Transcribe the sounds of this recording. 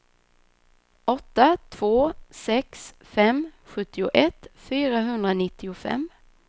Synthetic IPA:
ɔt̪ːat̪ʰv̥oːsɛks | fɛmɧɵt̪ːɪʊʔɛt̪fyːɾaɦɵnd̪ɾanɪt̪ːɪʊfɛ̰mː

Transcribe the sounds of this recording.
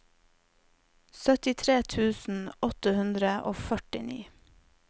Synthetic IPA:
sœt̪ɪt̪ʰɾeːt̪ʰʉːsn̩ɔt̪əhʉnd̪ɾəʔoːfœʈɪnḭː

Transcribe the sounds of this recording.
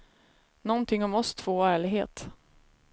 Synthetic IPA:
nɔnt̪ʰɪŋːɔmɔst̪ʰv̥oːæːɭɪɡɦḛːt̪

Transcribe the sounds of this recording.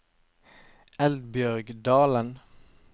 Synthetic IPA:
ɛld̪̚bjœʁɡd̪ɑːlən

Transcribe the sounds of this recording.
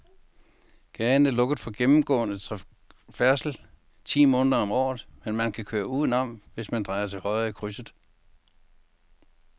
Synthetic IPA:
ɡ̥ɛːnəlɔ̽ɡ̥ð̩ˠfɒ̽ɡ̥emm̩ɡ̥ɔ̰̽ːnət͡sʰ | fæɐsl̩ | t͡sʰḭːmɔ̽ːnðˠɐɒ̽mɒ̰ːð̩ˠmenmænkʰækʰøːɐuðˠn̩ɒ̽m̰ʋe̝smænd̥ʁɑ̈ɪɐt͡sʰe̝lhɒ̽ɪikʰʁysð̩ˠ

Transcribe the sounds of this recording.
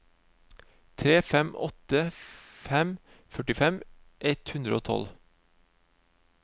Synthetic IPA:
t̪ʰɾeːfɛmʔɔ̰t̪əfɛm | fœʈɪfɛm | ʔɛt̪hʉnd̪ɾəoːt̪ʰɔ̰l

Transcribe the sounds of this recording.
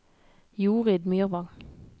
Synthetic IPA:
juːʁid̪myːʁʋɑŋ

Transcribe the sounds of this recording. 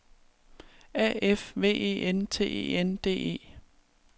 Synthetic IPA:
æefʋe̝̰ːe̝̰ːʔent͡sʰe̝̰ːḛːend̥e̝̰ːe̝̰ː

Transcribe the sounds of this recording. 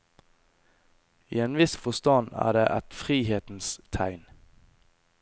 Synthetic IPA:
iːeːnʋɪsfɔst̪ɑnæ̰ːɖeːʔɛt̪fʁiːheːt̪n̩st̪ʰæɪn

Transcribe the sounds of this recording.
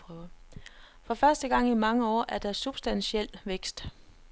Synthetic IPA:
pʰʁœʊɐ | fɒ̽fɶɐsd̥əɡ̥ɑ̈ŋ̰imɑ̈ŋəɒ̰ːʔæɐd̥ɑsub̥sd̥ænɕiel̰ʋeɡ̥sd̥

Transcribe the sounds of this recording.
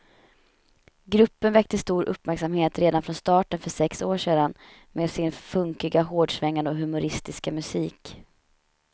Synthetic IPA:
ɡɾɵpːənvɛk̚t̪əst̪uːɾʔɵ̰pːmæɾksamheːt̪ɾeːd̪anfɾɔnst̪ɑːʈənfœʂɛksoːʂeːd̪an | mʔeːd̪sɪnfɵŋkɪɡaɦoːɖʂvɛŋːand̪əɔɦɵmʊɾɪst̪ɪskamɵsiːk

